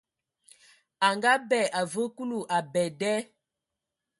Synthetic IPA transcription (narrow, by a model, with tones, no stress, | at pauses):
a˨ŋɡa˦bɛ˦˨ʔa˨və˦ku˦lu˨ʔa˨bɛ˨dɛ˦